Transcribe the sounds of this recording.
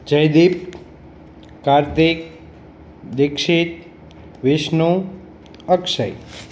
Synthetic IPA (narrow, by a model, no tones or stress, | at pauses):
d͡ʒəjd̪ip̚ | kaɾt̪ik | d̪ɪkʃit̪̚ | ʋɪʃnu | əkʃəj